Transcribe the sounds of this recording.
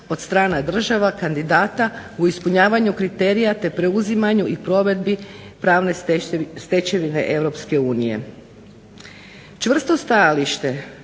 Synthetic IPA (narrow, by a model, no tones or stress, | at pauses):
o̞d̪st̪ɾaːnad̪r̩ʒaʋakand̪id̪aːt̪auispuɲaːʋaɲukɾit̪e̞ɾijat̪e̞pɾe̞uzimaɲuʔipɾo̞ʋe̞d̪bipɾaːʋne̞st̪e̞t͡ɕe̞ʋine̞̰ʔe̞ʋɾo̞pske̞uːnije̞̰ | t͡ʃʋr̩st̪o̞st̪ajaliʃt̪e̞